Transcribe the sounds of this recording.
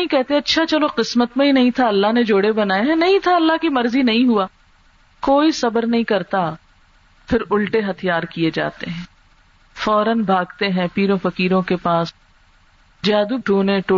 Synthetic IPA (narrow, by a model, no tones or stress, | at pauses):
ĩkɛɦt̪eɛ̃ɐtːʃʰat͡ʃɐloqɪsmət̪mẽɦinɐɦĩt̪ʰaɐlːaɦned͡ʒoːɽebɐnaːjeɦɛ̃nɐɦĩt̪ʰaɐlːaɦkimɐɾzinɐɦĩɦuaː | koːisɐbəɾnɐɦĩkɐɾt̪a | pʰɪɾʊlʈeɦɐt̪ʰijaːɾkied͡ʒa̰ːt̪eɦɛ̃ː | fɔːɾənbʱaːɡt̪eɦɛ̃piːɾõfɐkiːɾõkepaːs | d͡ʒaːd̪uːɖʱuːnẽʈo